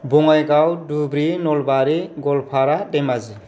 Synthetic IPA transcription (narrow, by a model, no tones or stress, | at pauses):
bɔŋajɡawdubɾinɔlbaɾiɡɔlpʰaɾadɛmazi